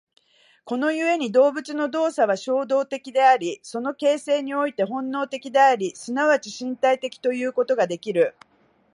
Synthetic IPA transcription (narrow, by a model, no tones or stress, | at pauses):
ko̞no̞jɯ̟e̞ɲ̟id̪o̞ːbɯ̟t͡sɨno̞d̪o̞ːsaβ̞aɕo̞ːd̪o̞ːt̪e̞kʲid̪e̞aɾʲiso̞no̞ke̞ːse̞ːɲ̟io̞it̪e̞ɦõ̞nːo̞ːt̪e̞kʲid̪e̞aɾʲisɨnaβat͡ɕiɕĩnt̪ait̪e̞kʲi̥t̪o̞jɯ̟ːko̞t̪o̞ɡad̪e̞kʲiɾɯ̟